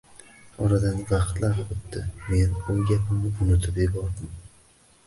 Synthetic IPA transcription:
ɒɾad̪anvɑχt̪laɾχʊt̪̚d̪ɪme̞nojɡʲapʰɪmnɪʊnɪt̪ʰɪpebɒɾd̪ɪm

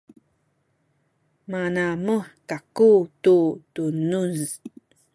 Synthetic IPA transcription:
manaməkakututunuz

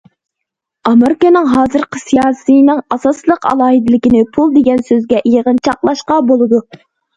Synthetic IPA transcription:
ɑmeɾɪkənɨŋɦɑːzɨɾqəsijɑːsɨjnɨŋɑsɑslˠəqɑ̰lˠɑːɦɨd̪ɪlɪkʲinɪpʰulˠd̪eɡʲɛnsøzɡʲɛʔijəʁənt͡ʃʰɑqlˠɑʃqɑbolˠɨd̪u

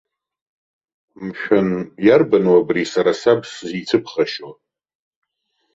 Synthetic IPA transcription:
mʃᶣʊnjarbanwabrisaɾasabszit͡sʰɨpʰχaʃa

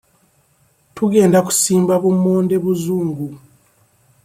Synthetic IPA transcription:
tuɡe̞ːndaku̥siːmbaβumːoːnde̞βuzuːŋɡu

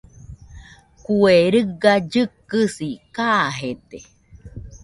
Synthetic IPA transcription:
kueɾɨɡad͡ʒɨkːɨsikaɦet̪e

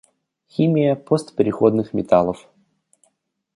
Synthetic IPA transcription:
xʲimʲɪjəpost̪pʲɪɾʲɪxod̪nɨxmʲɪt̪alˠəf

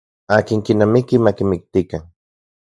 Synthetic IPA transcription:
aːkiŋkinamikimakimik̚t̪ikan

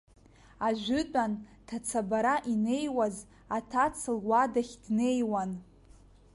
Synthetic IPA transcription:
aʒᶣʷʏt͡pʼantʰat͡sʰabaɾaʔine̞jwaz | atʰat͡sʰɨlwadaχʲdne̞jwan

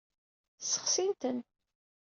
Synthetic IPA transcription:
sə̥χsint̪ən

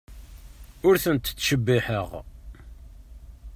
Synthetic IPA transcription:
ʊɾθənt̪ːt͡sːʃəbːiħəʁ

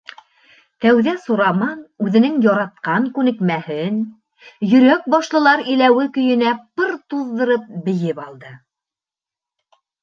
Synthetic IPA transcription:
t̪æwðæsuɾɑmɑnʉðɘ̆nɘŋjɑɾɑt̪̚qɑŋkʉnɘ̆kmæhɘn | jɵ̆ɾæk̚bɑʃlˠɤ̆lˠɑɾilæwɘkɵ̆jɘ̆næpɤɾt̪uðːɤ̆ɾɤp̚bɘ̆jɘpɑlˠd̪ɤ

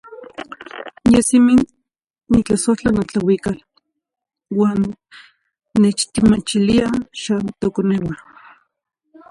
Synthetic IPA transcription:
jesiminː | it͡ɬasoht͡ɬanat͡ɬawikal | waːn | et͡ʃt̪imat͡ʃiliaʃant̪okonewa

